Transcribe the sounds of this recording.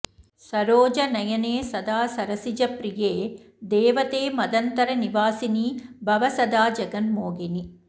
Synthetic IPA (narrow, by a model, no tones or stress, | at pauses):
sɐɾoːd͡ʒɐnɐjɐneːsɐd̪aːsɐɾɐsid͡ʒɐpɾijeː | d̪eːʋɐt̪eːmɐd̪ɐnt̪ɐɾɐniʋaːsinibʱɐʋɐsɐd̪aːd͡ʒɐɡɐnmoːɡeni